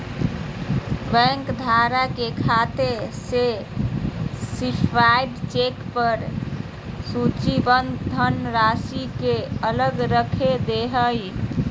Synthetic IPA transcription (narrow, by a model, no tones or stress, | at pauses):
bɛ̃ŋkd̪ʱaɾakekʰat̪ese | sipʰajɖt͡ʃekpəɾ | sut͡ʃibənd̪ʱənɾasikeələɡɾəkʰed̪eɦəj